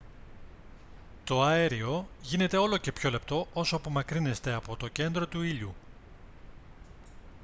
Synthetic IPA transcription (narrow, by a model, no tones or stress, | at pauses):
t̪o̞ɐeɾio̞ʝine̞t̪e̞o̞lo̞ce̞pço̞le̞pt̪o̞o̞soɐpo̞mɐkɾine̞st̪e̞ɐpo̞t̪o̞ce̞nd̪ɾo̞t̪uiʎu